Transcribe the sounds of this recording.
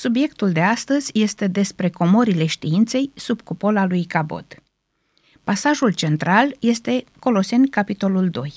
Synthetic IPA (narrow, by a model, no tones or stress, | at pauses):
subje̞kt̪uld̪e̞ast̪əzʲje̞st̪e̞d̪e̞spɾe̞ko̞moɾile̞ʃt̪iint̪se̞jsubkopo̞lalujkabo̞̰d̪̥ | pasaʒult͡ʃe̞nt̪ɾalje̞st̪e̞ko̞lo̞se̞nʲkapit̪o̞luld̪o̞j